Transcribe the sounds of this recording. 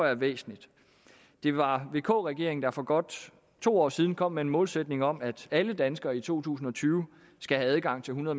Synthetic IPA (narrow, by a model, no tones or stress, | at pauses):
ɐʋḛːsn̩lid̥ | d̥e̝ʋɑ̈ʋe̝ːkʰɔ̰̽ːʁɛɡ̥e̝̰ɐ̰eŋ̩d̥ɑ̈fɒ̽ɡ̥ɒ̽d̥ | t͡sʰo̝̰ːɒ̰ːsiːð̞ˠnkʰɒ̽m̰ːee̝nmɔ̽ːlsed̥ne̝ŋɒ̽m̰æd̥æləd̥ænsɡ̥ɐːit͡sʰo̝̰ːt͡sʰṵːsn̩ɒ̽t͡sʰyːʊ | sɡ̥æɦææð̞ˠɡ̥ɑ̈ŋ̰t͡sʰe̝lɦunɐðˠ